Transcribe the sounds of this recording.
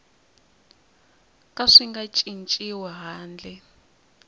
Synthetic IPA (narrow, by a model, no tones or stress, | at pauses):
kʼaʂiŋɡat͡ʃʼint͡ʃʼiwɛɦaːnd͡ɮʱɛ